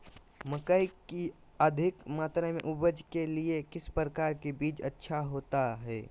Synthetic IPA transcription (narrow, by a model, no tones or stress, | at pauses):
məkəiki | əd̪ʱɪkmaːt̪ɾamḛ̃ʔʊbəd͡ʒkeliekɪspɾəkaːɾkebiːt͡ʃətːʃʰaɦoːt̪aɦɛ̰ː